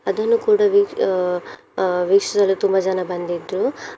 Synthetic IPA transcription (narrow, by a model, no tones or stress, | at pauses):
ɐd̪ɐnːukuːɽaʋi | ʋikʂɐsɐlut̪umbɐd͡ʒɛnabɐnd̪id̪ɾu